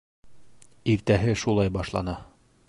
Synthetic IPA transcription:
iɾt̪æɦɘʃulˠɑjbɑʃlˠɑnɑ

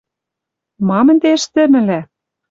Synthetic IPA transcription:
mɑmə̆nt̪eə̆ʃt̪ɘ̆mɘ̆læ

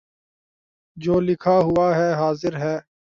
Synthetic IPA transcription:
d͡ʒoːlɪkʰaːɦʊaːɦɛːɦaːzɪɾɦɛː

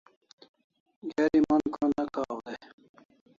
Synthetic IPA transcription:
ɡeɾimɐnkʰonɐkʰaːwd̪e

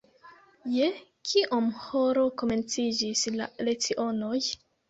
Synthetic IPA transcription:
jekʰiʔomhoɾo̞ko̞me̞nt͡sid͡ʒisla̰let͡siʔo̞noj

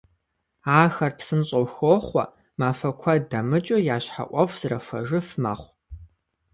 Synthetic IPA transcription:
aːxɐrpsɨnɕʼɐwxoːχʷɐ̰ | maːfɐkʷʰɐdɐmɨt͡ʃʼojaːɕħa̰ʔʷʼɔfʷz̥ɨrɐfɐ̰ʒɨfmɐ̰χʷ

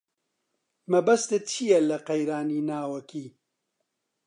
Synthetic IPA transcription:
mɐbɐst̪ɨt͡ʃʰijɛlɐqɐjɾaːniːnaːwɐkiː

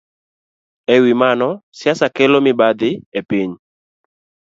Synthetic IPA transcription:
ewimanɔsjasakelomɪbad̪ɪepiɲ

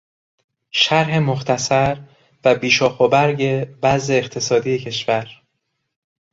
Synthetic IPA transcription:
ʃæɾɦe̞moxt̪ʰæsæɾ | væbiːʃɒːxobæɾɟe̞bæze̞ːxt̪ʰe̞sɒːd̪ijecʰe̞ʃvæɾ

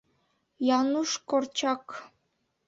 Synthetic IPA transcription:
jɑnuʃkort͡ɕɑk

